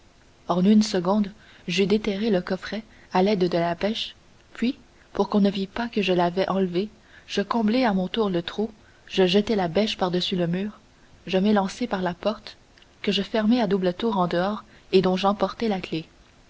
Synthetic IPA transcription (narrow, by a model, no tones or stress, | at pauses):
ɑ̃nynsəɡɔ̃d̪ | ʒyd̪et̪ɛʁeləkɔfχɛ | alɛd̪d̪əlabɛʃ | pɥi | puʁkɔ̃nəvipakəʒəlavɛʔɑ̃lve | ʒ̥əkɔ̃bleamɔ̃t̪uːʁlət̪χu | ʒ̥əʒət̪ɛlabɛʃpaʁd̪əsyləmyːʁ | ʒəmelɑ̃sepaʁlapɔʁt̪ | kəʒəfɛʁmɛad̪ublət̪uːʁɑ̃d̪əɔːʁ | ed̪ɔ̃ʒɑ̃pɔʁt̪ɛlakle